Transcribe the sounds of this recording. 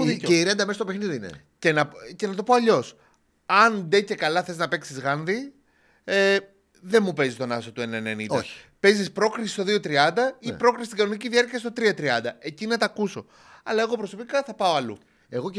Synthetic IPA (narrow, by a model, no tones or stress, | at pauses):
ieiɾend̪ɐmest̪opexniðiinḛ | cenɐce̞nɐt̪o̞po̞ɐʎo̞s | ɐnd̪e̞ce̞kɐlɐθe̞znɐpe̞ksizɣɐnði | e | ðe̞mupe̞zist̪o̞nɐsot̪uenɐenenḭnɐçi̥ | pe̞zispɾo̞kɾisist̪o̞ðiot̪ɾiɐnd̪ɐipɾo̞kɾist̪iɡɐnoniciðiɐɾciɐst̪o̞t̪ɾiɐt̪ɾiɐnd̪ɐe̞cinɐt̪ɐkuso̞ | ɐlɐe̞ɣo̞pɾo̞so̞pikɐθɐpɐo̞ɐlṵ | eɣo